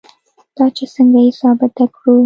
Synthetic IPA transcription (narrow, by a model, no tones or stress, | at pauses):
d̪̥ɑt͡ʃesəŋɡaɪsɑbɪt̪akɽu